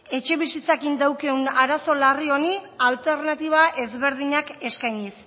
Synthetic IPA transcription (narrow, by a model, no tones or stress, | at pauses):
e̞t͡ʃe̞β̞isit͡sakind̪awke̞unaɾaso̞lario̞nialt̪e̞ɾnat̪iβ̞aʔe̞zβe̞ɾðiɲake̞skajɲis